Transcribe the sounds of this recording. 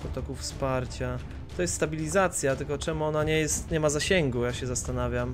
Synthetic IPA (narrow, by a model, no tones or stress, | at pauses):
pɾɔt̪ɔkufspaɾt͡ɕa | t̪ɔjɛst̪st̪abʲilʲizat̪sʲjat̪ɘlkɔt͡ʂɛmuɔnaɲɛjɛst̪ɲɛmazaɕɛŋɡujaɕɛzast̪anavʲjam